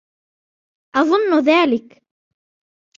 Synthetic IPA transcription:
ʔɑðˤʊnːʊðaːlɪk

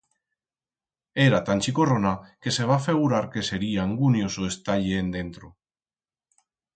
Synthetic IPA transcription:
eɾat̪anʲt͡ʃikoronake̞seβ̞afe̞ɣ̞uɾaɾke̞se̞ɾiaːŋɡunjosoest̪aʎeend̪e̞nt̪ɾo

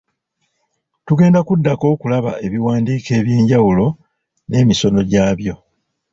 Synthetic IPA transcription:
tuɡe̞ːndakudːako̞ːkulaβa̰e̞βiwaːndiːke̞ːβje̞ːɲɟawulo̞ | ne̞ːmiso̞no̞ɟaːβjo̞

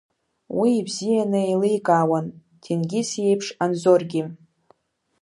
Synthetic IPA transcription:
wiːbzijanɨelɨjkʼaːwan | tʰinɡʲisje̞jpʰʂanzorɡʲɪ

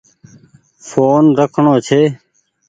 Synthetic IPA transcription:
foːnɾəkʰɳõːt͡ʃʰeː

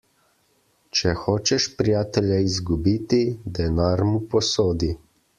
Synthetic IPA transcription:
t͡ʃɛxoːt͡ʃɛʃpɾijaːt̪ɛljaizɡubiːt̪id̪ɛnaːɾmupɔsoːd̪i

